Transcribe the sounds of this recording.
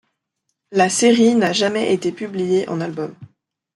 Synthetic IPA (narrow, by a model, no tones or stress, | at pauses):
laseʁinaʒamɛʔet̪epyblijeʔɑ̰̃nalbɔm